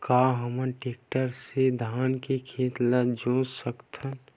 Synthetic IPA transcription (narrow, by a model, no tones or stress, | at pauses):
kaːɦəmənʈeːk̚ʈəɾsed̪ʱaːnkekʰeːt̪lad͡ʒõːsəkt̪ʰən